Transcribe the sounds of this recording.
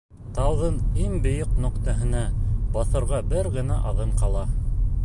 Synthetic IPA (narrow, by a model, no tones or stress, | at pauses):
t̪ɑw̪ˠʁɤniŋbɘ̆jɤqnɵ̆qt̪ɑɦɘ̆næbɑθɤ̆ɾʁɑbɘɾɡɘ̆næʔɑðɤɴqɑlˠɑ